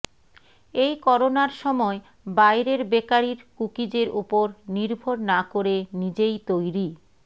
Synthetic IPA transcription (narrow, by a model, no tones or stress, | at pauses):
ejkɔɾonaɾʃɔmɔe | bajɾeɾbekaɾiɾkukid͡ʑeɾʔupoɾniɾbʱoɾnakoɾenid͡ʑejt̪ojɾi